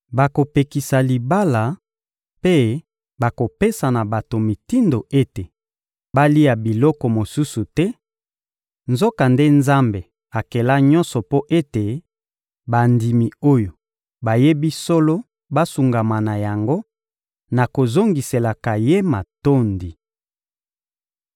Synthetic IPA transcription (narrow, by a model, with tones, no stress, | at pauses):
ba˨ko˨pe˨ki˨sa˨li˨ba˦la˨ | pe˦ | ba˨ko˨pe˦sa˨na˨ba˨to˨mi˨ti˦ndo˨ʔe˦te˨ | ba˦li˦a˨bi˨lɔ˦kɔ˨mo˨su˦su˨tɛ˦ | nzo˦ka˨nde˦nza˦mbe˨ | a˨ke˨la˦ɲɔ̃˦nsɔ˨po˦ʔe˦te˨ | ba˨ndi˨mi˨o˦jo˨ | ba˨je˦bi˦so˦lo˦ | ba˦su˨ŋɡa˨ma˨na˨ja˨ŋɡo˦ | na˨ko˨zo˦ŋɡi˨se˨la˨ka˨je˦ma˨to˦ndi˨